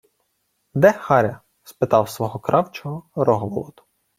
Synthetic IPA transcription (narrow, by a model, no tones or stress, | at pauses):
d̪ɛxɑɾʲɐ | spɪt̪ɑwsʋɔɦɔkɾɑwt͡ʃɔɦɔɾɔɦɔʋlˠɔt̪ʊ̥